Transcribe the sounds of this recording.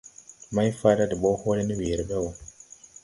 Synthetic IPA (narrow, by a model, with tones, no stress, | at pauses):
ma˦jfaː˦da˦dɛ˨ɓɔ˦hɔ˦lɛ˦ni˦we˨ɾɛ˨ɓɛ˦wɔ˨